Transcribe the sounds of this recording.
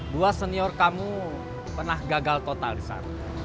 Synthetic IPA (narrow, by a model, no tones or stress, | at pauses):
duasəniɔrkamu | pərnahɡaɡalt̪ot̪alisa̰r